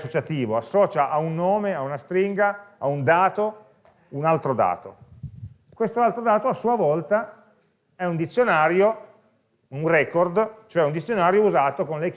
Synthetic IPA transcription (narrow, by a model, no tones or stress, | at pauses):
sot͡ʃat̪iːvoasːɔːt͡ʃaʔaunːoːmeaunast̪ɾiŋɡaaund̪aːt̪o | unalt̪ɾod̪a̰ːt̪o̰ | kwest̪oalt̪ɾod̪aːt̪oasuːavɔlt̪a | ɛund̪it̪sːjonaːɾjo | unrɛkord̪t͡ʃoɛund̪it̪sːjonaːɾjouzaːt̪okonle